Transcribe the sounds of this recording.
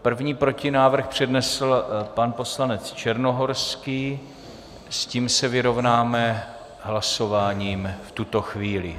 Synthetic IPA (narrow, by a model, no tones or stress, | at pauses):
pr̩vɲiːpɾo̞cɪnaːvr̩xpr̝̥ɛdnɛsl̩panposlanɛt͡st͡ʃɛɾno̞ɦo̞ɾskiː | sciːmsɛvɪɾo̞vnaːmɛ | ɦlaso̞vaːɲiːmft̪ut̪o̞xviːlɪ̰